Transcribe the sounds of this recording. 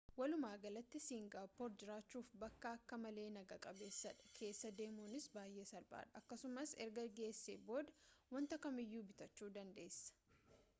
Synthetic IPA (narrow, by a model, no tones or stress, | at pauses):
wɐlʊmaːɡɐlɐt̪ːɪsiːŋɡaːpːoːɾd͡ʒɪɾaːt͡ʃːuːfbɐkːɐːkːɐmɐle̞ːnɐɡɐkʼɐbe̞ːsːɐᶑɐ̥kʰe̞ːsːɐd̪e̞ːmuːnɪsbaːjːeːsɐɾba̰ːᶑɐɐkːɐsʊmɐsɛɾɡɐɡe̞ːsːeːbo̞ːd̪ɐwɐnt̪ɐkɐmɪjːuːbɪt̪ɐt͡ʃːuːd̪ɐnd̪e̞ːsːɐ̥